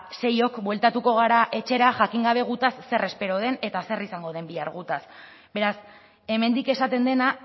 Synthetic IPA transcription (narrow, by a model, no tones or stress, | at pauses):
se̞jo̞kbwe̞lt̪at̪uko̞ɣ̞aɾaʔe̞t͡ʃe̞ɾaʝakiŋɡaβ̞e̞ɣ̞ut̪asːe̞re̞spe̞ɾo̞ð̞e̞ne̞t̪ase̞risaŋɡo̞ð̞e̞mbiaɾɣ̞ut̪as | be̞ɾas | e̞me̞nd̪ike̞sat̪e̞nd̪e̞na